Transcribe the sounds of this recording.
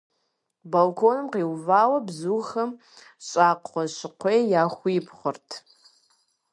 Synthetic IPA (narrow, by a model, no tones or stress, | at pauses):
bolkʰoːnɨmqiːwvaːwɐbzuːxɐm | ɕʼaːqʷʼɔɕɪqʷʰejjaːχʷʊjɪpʰχʷʊrtʰ